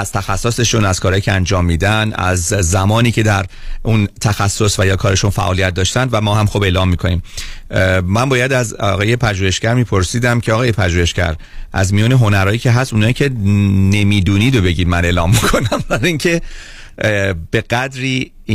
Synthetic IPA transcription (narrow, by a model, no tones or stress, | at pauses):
æz̥t̪ʰæxæsːose̞ʃunæz̥kʰɒːɾɒːjicʰeænd͡ʒɒːmːiːd̪ænæ̰zːæmɒːniːcʰe̞d̪æɾ | unt̪ʰæxæsːosvæjɒːkʰɒːɾe̞ʃunfæ̰ʔɒːlijæt̪̚d̪ɒːʃt̪ænd̪væmɒːɦæmxobe̞ːlɒːmːiːkʰo̞niːm | mænbɒːjæd̪æzɒɣɒːje̞pʰæʒuːhe̞ʃcæɾmiːpʰo̞ɾsiːd̪æmcʰeɒːɣɒːjepʰæʒuːhe̞ʃcæ̰ɾ | ʔæ̰zmijuːneɦo̞næɾɒːjiːcʰe̞ɦæst̪unhɒːjicʰe̞ne̞miːd̪uːniːd̪o̞be̞ɟiːd̪mæne̞lɒ̰ːmːikʰo̞næmbæɾiŋcʰe̞ | b̥e̞ɣ̥æd̪ɾiː